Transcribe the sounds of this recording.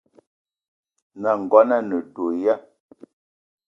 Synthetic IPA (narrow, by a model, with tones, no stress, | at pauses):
na˨ŋ̩˨ɡwa˦na˦˨nə˨do˨ja˦